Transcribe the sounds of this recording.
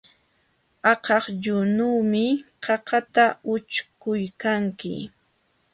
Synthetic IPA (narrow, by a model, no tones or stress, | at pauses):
ɑqɑχʎʊnuːmɪqɑqɑt̪aʊt͡ʃkʊjkaŋkɪ̰